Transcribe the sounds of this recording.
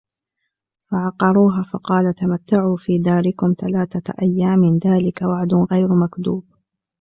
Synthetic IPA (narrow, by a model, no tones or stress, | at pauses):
faʕɑqɑɾˤuːɦaːfɑqɑːlat̪amat̪ːaʕuːfiːd̪aːɾɪkʊmt̪alaːθaʔa̰jːaːmɪnðaːlɪkawaʕd̪ʊnɣajɾmakd̪uːb